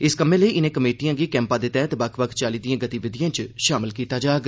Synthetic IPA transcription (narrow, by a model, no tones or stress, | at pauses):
ɪskəmẽːləiːʔɪnẽkəmeːʈijãːɡiːkɛ̃ːmpãːd̪eːt̪ɛːt̪bəkʰbək̪ʰt͡ʃaːliːd̪ijãːɡət̪iːʋɪd̪ɪjãːt͡ʃʃaːmɪlkiːt̪aːd͡ʒaːɡ